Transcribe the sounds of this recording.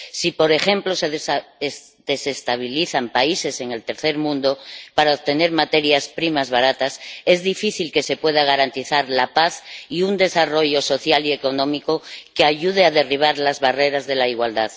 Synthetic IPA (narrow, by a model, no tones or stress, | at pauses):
sipo̞ɾe̞xẽ̞mplo̞seðs | d̪e̞se̞st̪aβ̞iliθampaise̞se̞ŋe̞lt̪e̞ɾθe̞ɾmũnd̪o̞paɾaoβt̪e̞ne̞ɾmat̪e̞ɾjaspɾimazβaɾat̪ase̞zðifiθilke̞se̞pwe̞ðaɣ̞aɾant̪iθaɾlapaθiund̪e̞saro̞ʝo̞so̞θjalie̞ko̞nõ̞miko̞keaʝuðeaðe̞riβ̞aɾlazβare̞ɾazðe̞laiɣwald̪að